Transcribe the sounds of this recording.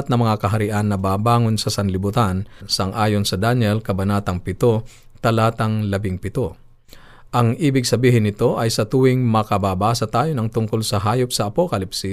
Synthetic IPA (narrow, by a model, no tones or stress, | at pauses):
t̪̚nɐŋmɐŋakɐɦɐɾɪʔanːɐbaːbaːŋonsɐsɐnlɪbʊt̪ansɐŋʔaːjonsɐd̪anjɛlkɐbɐnaːt̪ɐŋpɪt̪o | t̪ɐlaːt̪ɐŋlɐbɪŋpɪt̪o | ʔɐŋʔiːbɪɡ̚sɐbiːhɪnːɪt̪o̞ʔɐjsɐt̪uwɪŋmɐkɐbaːbaːsɐt̪aːjonɐŋt̪ʊŋkolsɐɦaːjop̚sɐʔːpokɐlɪpsɪ